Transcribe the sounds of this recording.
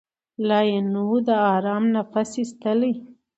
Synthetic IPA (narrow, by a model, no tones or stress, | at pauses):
lɑjenud̪əɑɾɑmnapasist̪əle